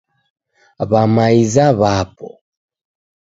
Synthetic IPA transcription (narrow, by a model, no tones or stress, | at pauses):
βamaizaβapɔ̰